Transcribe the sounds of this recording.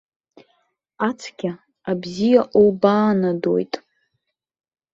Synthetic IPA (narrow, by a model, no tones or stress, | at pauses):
at͡sʰɡʲa | abzijaʔobaːnado̰jtʼ